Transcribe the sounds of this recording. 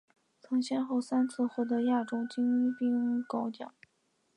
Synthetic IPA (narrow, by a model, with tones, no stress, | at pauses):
t͡sʰɤ˧˥ŋɕjɛ˥nxo˥˩ʊsa˥nt͡sʰɹ̩˥˧xwɔ˥˩t̪ɤ˧˥ja˥˩ʈ͡ʂʊ˥ŋt͡ɕi˥ŋi˥pi˥ŋkɑ˥ʊt͡ɕjɑ̰˨˩˦